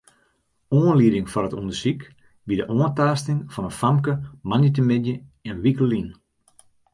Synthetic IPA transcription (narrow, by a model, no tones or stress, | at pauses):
oənliədɪŋfɔrətundəsik | bidəʔoəntaːstɪŋfɔnənfamkəmanət̬əmɪdjəɛnʋikəlin